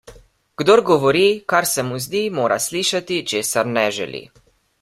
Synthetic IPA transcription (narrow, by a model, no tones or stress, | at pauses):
ɡ̥d̪oːɾɡɔʋɔɾikaɾsɛmuzd̪iːmoːɾʔa̰sliːʃat̪it͡ʃeːsaɾnɛʒɛ̰lḭ